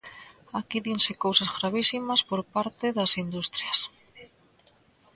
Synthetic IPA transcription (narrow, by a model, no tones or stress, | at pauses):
akiðinsɪkowsɐzɣɾaβisimɐspoɾpaɾt̪ɪðɐsind̪ust̪ɾjɐs